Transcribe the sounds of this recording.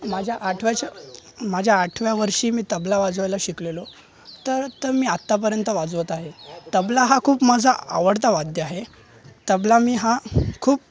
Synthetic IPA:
mad͡ʑʱjaʔaʈʰʋjat͡ɕamad͡ʑʱjaːʈʰʋjaʋəɾʂiːmiːt̪əblaʋad͡zʋajlaɕiklelo | t̪əɾt̪əɾmiːat̪ːap̬əɾjənt̪əʋad͡zʋət̪aɦet̪əblaɦakʰuːpmad͡zʱaa̰ʋəɽt̪̬aʋad̪jəaɦe | t̪əblamiːɦakʰuːp̚

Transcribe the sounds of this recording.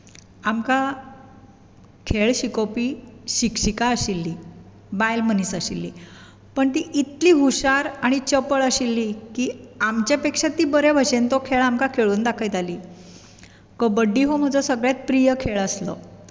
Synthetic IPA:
amka | kʰeɭɕikopiːɕikɕikaəɕilːiː | bajlmənisəɕilːḭː | pəɳt̪iːʔit̪liːɦuɕaɾaɽ̃it͡ɕəpəɭəɕilːiːkiːamt͡ɕjapekʂat̪ːiːbəɾebʱəɕent̪okʰeɭamkakʰeɭuːnd̪akʰəjd̪aliː | kəbəɖːiːɦom̤əd͡zɔsəɡɭjat͡s̪̚pɾijəkʰeɭəslə̰

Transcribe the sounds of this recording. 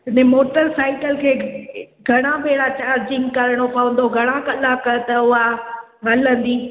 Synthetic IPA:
ɦɪnemoːʈəɾsaːɪkəlkʰeː | ɡʱɐɽ̃aɓeːɽat͡ɕaːɾd͡ʑɪ̃ŋɡkɐɾəɽ̃opɐʋə̃nd̪oɡʱɐɽ̃akɐlakɐt̪ɐʊa | ɦɐlə̃nd̪iː

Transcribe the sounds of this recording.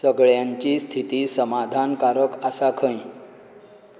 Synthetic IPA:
səɡɭjaɲt͡ɕiːst̪ʰit̪iːsəmad̪ʱankaɾəkasakʰə̃ĩ

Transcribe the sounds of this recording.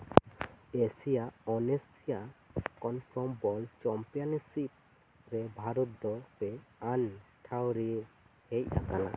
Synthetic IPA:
esijaʔɔnesijakɔnpʰɾɔmbɔlt͡ʃɔmpijansip̚ | ɾɛbʱaɾut̪̚d̪ɔpɛanʈʰawɾihec̚ʔa̰kana̰

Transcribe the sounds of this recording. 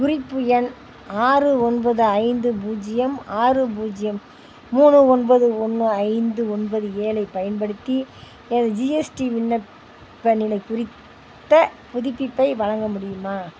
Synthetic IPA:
kʊrɪpːɯjɛn | aːrɯɔnbɐðɯɐɪnd̪ɯpuːd͡ʒɪjɐmaːrɯbuːd͡ʒɪjɐmː | uːnɯɔnbɐðɯɔnːɯɐɪnd̪ɯɔnbɐðɯeːlɐɪpɐjɐnpɐɽɯt̪ːi | ɛnɐðɐd͡ʒiːɛsʈiʋɪnːɐp | pːɐnɪlɐɪkʊrɪt̪ː | ɐpʊðɪpːɪpːɐɪʋɐɻɐŋɡɐmʊɽɪjɯmaː

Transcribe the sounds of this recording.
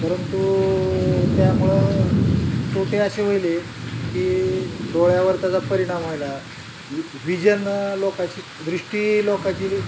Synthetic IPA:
pəɾənt̪u | t̪jamuɭe | soʈeəɕeʋ̤əjlekiːd̪oɭjaʋəɾt̪jad͡zapəɾiɽ̃amajla | ʋid͡ʑənlokat͡ɕiː | d̪ɾiʂʈiːlokat͡ɕili

